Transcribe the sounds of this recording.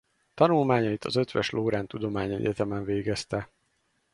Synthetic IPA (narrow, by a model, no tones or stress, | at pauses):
t̪ɒnulmaːɲɒit̪ʰɒ̰zø̞t̪ʋɛʃloːɾaːnt̪ud̪o̞maːɲɛ̰ɟɛt̪ɛmɛɱveːɡɛst̪ɛ